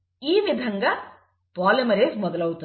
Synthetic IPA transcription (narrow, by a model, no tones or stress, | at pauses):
iːʋɪd̪ʱɐŋɡɐ | paːlɐmɐɾeːsmɔðɐlɐt̪ːɯ